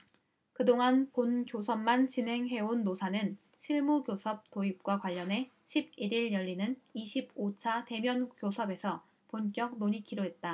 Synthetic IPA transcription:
kɯdoŋanponkjosʰʌmmant͡ɕinɦe̞ŋɦe̞onːosʰanɯn | ɕʰiɭmukjosʰʌp̚t͈oip̚k͈wakwaʎːʌne̞ | ɕʰib̚iɾiɭjʌʎːinɯniɕʰib̚ot͡ɕʰate̞mjʌnkjosʰʌbe̞sʰʌ | ponk͈jʌk̚noɲik͈iɾoɦe̞t̚t͈a

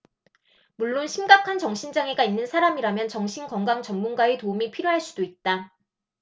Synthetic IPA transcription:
muɭːonɕʰimɡakʰant͡ɕʌŋɕʰind͡ʑaŋeɡainːɯnsʰaɾamiɾamjʌnt͡ɕʌŋɕʰinkʌŋɡaŋt͡ɕʌŋmunɡaetoumipʰiɾjoɦaɭs͈ud̥oit̚t͈a

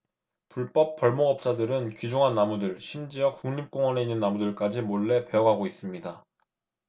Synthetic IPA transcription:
puɭp͈ʌp̚p͈ʌɭmoɡʌp̚t͡ɕ͈adɯɾɯnkid͡ʑoŋɦanːamudɯɭɕʰimd͡ʑiʌk̚k͈uŋɲimk͈oŋwʌne̞inːɯnːamudɯɭk͈ad͡ʑimoɭːe̞pe̞ʌŋɦaɡois͈ɯmɲida

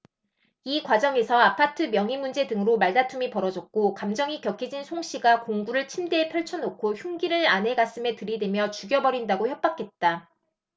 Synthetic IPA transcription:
ikwad͡ʑʌŋe̞sʰʌapʰatʰɯmjʌŋimund͡ʑe̞dɯŋɯɾomaɭdatʰumipʌɾʌd͡ʑʌk̚k͈okamd͡ʑʌŋikjʌkʰid͡ʑinsʰoŋɕ͈iɡakoŋɡuɾɯɭt͡ɕʰimdepʰjʌɭt͡ɕʰʌnokʰoçuŋɡiɾɯɾanɦe̞ɡas͈ɯme̞tɯɾidwe̞mjʌt͡ɕuɡjʌbʌɾindaɡoçjʌp͈̚akʰe̞t̚t͈a

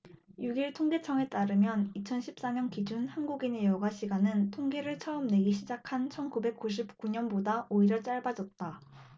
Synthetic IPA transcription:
juɡiɭtʰoŋɡe̞t͡ɕʰʌŋe̞t͈aɾɯmjʌnit͡ɕʰʌnɕʰip̚s͈aɲʌnkid͡ʑunhanɡuɡinejʌɡaɕʰiɡanɯntʰoŋɡe̞ɾɯɭt͡ɕʰʌːmne̞ɡiɕʰid͡ʑakʰant͡ɕʰʌnkube̞k̚k͈uɕ̬ʰip̚k͈uɲʌnbodaʔoiɾjʌt͡ɕ͈aɭbad͡ʑʌt̚t͈a

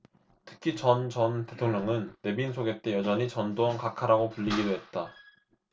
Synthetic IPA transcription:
tʰɯ̥kʰit͡ɕʌnt͡ɕʌnte̞tʰoŋɲʌŋɯnːe̞binsʰoɡe̞t͈e̞jʌd͡ʑʌɲit͡ɕʌndoankakʰaɾaɡopuʎːiɡidoɦe̞t̚t͈a

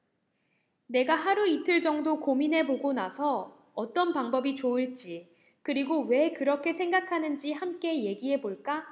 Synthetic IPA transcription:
ne̞ɡaɦaɾuitʰɯɭd͡ʑʌŋdokominɦe̞poɡonasʰʌː | t͈ʌnpaŋbʌbit͡ɕoɯɭt͡ɕ͈i | kɯɾiɡowe̞kɯɾʌkʰe̞sʰe̞ŋɡakʰanɯnd͡ʑihamk͈e̞je̞ɡiɦe̞boɭk͈a

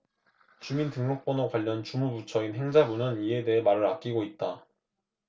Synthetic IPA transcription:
t͡ɕumintɯŋːok̚p͈ʌnakwaʎːʌnt͡ɕumubut͡ɕʰʌinɦeŋd͡ʑabunʌnie̞de̞ɦemaɾɯɾak͈̚iɡoit̚t͈a

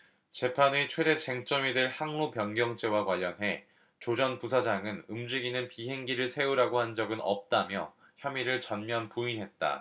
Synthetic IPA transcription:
t͡ɕe̞pʰanit͡ɕʰwe̞de̞t͡ɕe̞ŋt͡ɕ͈ʌmidweɭhaŋnupjʌnɡjʌŋt͡ɕ͈ewakwaʎːʌnɦe̞ | t͡ɕod͡ʑʌnpusʰad͡ʑaŋɯnɯmd͡ʑiɡinɯnpiɦe̞ŋɡiɾɯɭsʰe̞uɾaɡohand͡ʑʌɡɯnʌp̚t͈amjʌ̰ | çjʌmiɾɯɭt͡ɕʌnmjʌnpuinɦe̞t̚t͈a̰

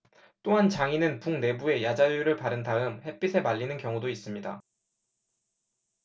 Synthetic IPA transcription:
t͈oɦant͡ɕaŋinɯnpuŋne̞bue̞jad͡ʑauuɾɯɭpaɾɯndaɯmhep͈isʰe̞maʎːinɯnkjʌŋudois͈ɯmɲida̰

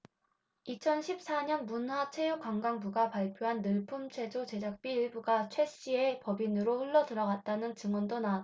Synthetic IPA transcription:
it͡ɕʰʌnɕʰip̚s͈aɲʌnmunɦat͡ɕʰe̞jukaŋɡaŋbuɡapaɭpʰjoɦanːɯɭpʰumt͡ɕʰe̞d͡ʑot͡ɕe̞d͡ʑak̚p͈iːɭbuɡat͡ɕʰwe̞ɕ͈ie̞pʌbinɯɾoɸuɭːʌdɯɾʌɡat̚t͈anɯnt͡ɕɯŋwʌndona

